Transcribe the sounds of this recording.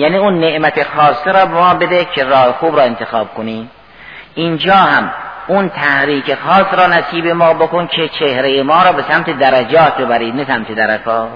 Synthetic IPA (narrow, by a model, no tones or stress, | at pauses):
jæːniːunːeʔmæt̪ʰexɒːsːeɾɒːbemɒːbed̪ekʰeɾɒːhexuːbɾɒːent̪ʰexɑːb̥̚koniːm | ʔind͡ʒɒːhæmunt̪ʰæhɾiːkexɑːsɾɒːnæsiːbemɒːbokonkʰet͡ʃʰehɾejemɒːɾɒːbesæmt̪ʰed̪æɾæd͡ʒɒːt̪̚ʰbebæɾiːd̪næsæmt̪ʰed̪æɾækʰɒː